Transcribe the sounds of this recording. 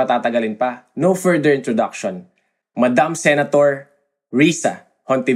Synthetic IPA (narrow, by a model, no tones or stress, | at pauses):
ɐt̪aːt̪ɐɡɐlɪnpɐnowfɛɹd̪ɛɹɪnt̪ɾɔd̪ak̚ʃon | mɐd̪amsɛnɐt̪oɹ | ɹiːsɐ̰ | hont̪ɪ